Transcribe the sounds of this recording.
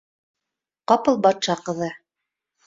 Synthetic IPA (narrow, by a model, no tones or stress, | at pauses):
qɑpɤlˠbɑt̪ʃɑqɤ̆ðɤ